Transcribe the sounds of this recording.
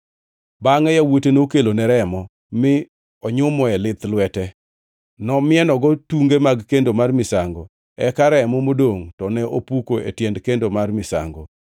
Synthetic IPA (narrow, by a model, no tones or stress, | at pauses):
baŋɛjawotenokelonɛɾɛmɔ | mɪ | ɔɲʊmɔɛlɪt̪lwɛtɛ | nɔmɪɛnɔɡɔtuŋɡemaɡkendomarmɪsaŋɡɔ̰ | ɛkaɾɛmɔmodoŋtɔnɛʔopukoḛtjɛndkendomarmɪsa̰ŋɡo̰